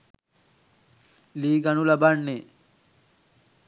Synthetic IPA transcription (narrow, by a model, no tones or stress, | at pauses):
liːɡanulabaɳːe